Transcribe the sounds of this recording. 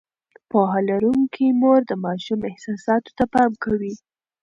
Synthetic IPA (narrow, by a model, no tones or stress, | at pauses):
pɑɦɑlaɾuŋkʰimoɾd̪əmɑʃumɪhsɑsɑt̪o̥t̪apɑmkawi